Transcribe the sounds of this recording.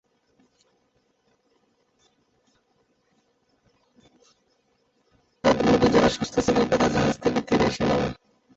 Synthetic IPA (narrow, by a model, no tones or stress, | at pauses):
t̪ad̪eɾmod̪ʱːed͡ʑaɾaʃɔst̪ʰoseleɾkat̪ʰad͡ʑaɦad͡ʑt̪ʰeket̪ʰːiɾeeʃena̰bḛ